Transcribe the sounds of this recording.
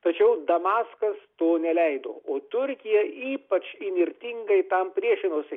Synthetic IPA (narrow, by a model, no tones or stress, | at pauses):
t̪ɐt͡ʃʲɛʊd̪ɐmɑːskɐst̪oːnʲɛlʲɛɪd̪o̰ːoːt̪ʊɾʲkʲɪjɛiːpɐt͡ʃɪnʲɪɾʲt̪ʲiŋɡɐɪt̪ɐmpʲɾʲiɛʃʲɪnoːsʲɪ